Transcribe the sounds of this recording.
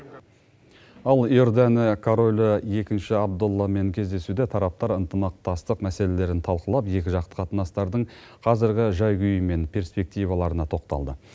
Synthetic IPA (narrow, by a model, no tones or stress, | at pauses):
ɑlˠoɾd̪ænɪkʰoɾolʲɪje̞kʲɪnʃɪɑb̚d̪ʊlˠːɑme̞ŋkʲʰe̞zd̪e̞sud̪et̪ʰɑɾɑp̚t̪ɑɾənt̪əmɑq̚t̪ɑst̪əqmæse̞le̞le̞ɾɪnt̪ʰɑlˠqəlˠɑpje̞kʲɪʒɑqt̪ə̥qʰɑt̪ənɑst̪ɑɾd̪əɴ | qʰɑzɪɾɡʲɪʒɑjɡʲʏjəme̞npʰe̞ɾspe̞k̚t̪ijvɑlˠɑɾənɑt̪ʰo̞qt̪ɑ̰lˠd̪ə